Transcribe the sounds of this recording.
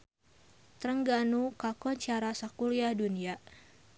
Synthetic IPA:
t̪ɾəŋɡanukakɔɲt͡ʃaɾasakuliahdunia

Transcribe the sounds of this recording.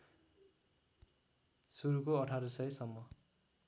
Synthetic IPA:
suɾukoʌʈʰaɾʌsʌjsʌmːʌ

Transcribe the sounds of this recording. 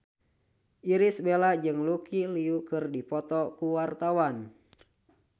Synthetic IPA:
ʔiɾisbelad͡ʒɨŋlukiliukɨrdipɔt̪ɔkuwart̪awan

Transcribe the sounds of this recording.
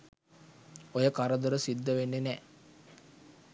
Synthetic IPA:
ojəkaɾəd̪əɾəsid̪ːəʋenːenɛ

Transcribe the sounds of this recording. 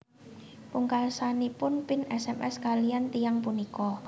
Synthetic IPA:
puŋkalsanipʊnpɪnɛsɛmʔɛ̰skalijant̪ijaŋpunikɔ

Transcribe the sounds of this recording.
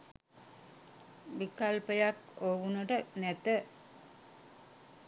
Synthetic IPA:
ʋikalpəjakoʋunuʈənɛt̪ə

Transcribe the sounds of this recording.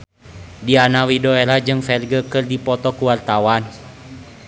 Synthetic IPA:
dianawidɔelad͡ʒɨŋfɛlɡəkɨrdipɔt̪ɔkuwart̪awan

